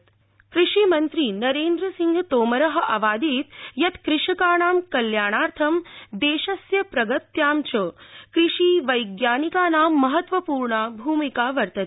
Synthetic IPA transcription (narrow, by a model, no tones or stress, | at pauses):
kɾɪʂimɐnt̪ɾiːnɐɾeːnd̪ɾɐsiŋɡʱt̪oːmɐɾɐɦɐ̆ʔɐʋaːd̪iːt̪jɐt̪kɾɪʂɐkaːɳaːmkɐljaːɳaːɾt̪ʰɐmd̪eːʃɐsjɐpɾɐɡɐt̪jaːmt͡ʃʰɐkɾiʂiːʋɐjɡjaːnikaːnaːmːɐɦɐt̪ʋɐpuːɾɳaːbʱuːmikaːʋɐɾt̪ɐt̪